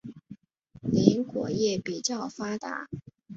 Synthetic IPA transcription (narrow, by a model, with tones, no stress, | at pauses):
ni˧˥nkwɔ̰˨˩jɛ˥˩pi˨˩t͡ɕjɑ˥˩ʊfa˥t̪a̰˧˥˦